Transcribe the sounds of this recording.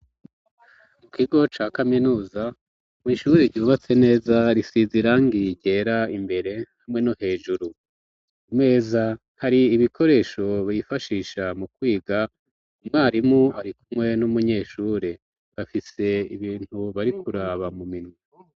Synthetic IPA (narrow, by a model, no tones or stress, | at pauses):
mukiɡo̞t͡ʃaːkaminuːza | mŋiːʃuɾeɾɟuːβat͡se̞ne̞ːzaɾisiziɾaŋɡiɟe̞ːɾaimbe̞ɾe̞hamŋe̞nohe̞ːʒuɾu | umŋe̞ːza | haɾiːβikʰo̞ɾe̞ːʃo̞βijifaʃiːʃamukwiːɡa | umwaːɾimuaɾikumŋe̞numuɲe̞ːʃuɾe̞ | βafise̞iβiːnhuβaɾikuɾaβamuminwi